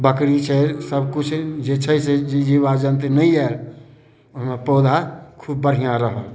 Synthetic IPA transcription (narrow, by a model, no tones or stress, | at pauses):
bəkɽit͡ʃʰesəbkʊt͡ʃʰd͡ʒet͡ʃʰəised͡ʒd͡ʒibad͡ʒə̃nt̪inəĩɛl | ʊsmẽpoːd̪ʱakʰuːbːəɽ̤ʱijãɾəɦo